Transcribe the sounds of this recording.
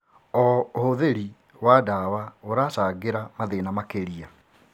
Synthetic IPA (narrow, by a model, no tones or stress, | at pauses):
ɔohoðeɾi | wadawaoɾaːsaɡeɾamaðenamakeɾia